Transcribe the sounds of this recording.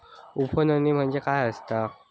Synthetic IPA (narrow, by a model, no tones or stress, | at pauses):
upʰənənim̤əɳd͡zekajəst̪a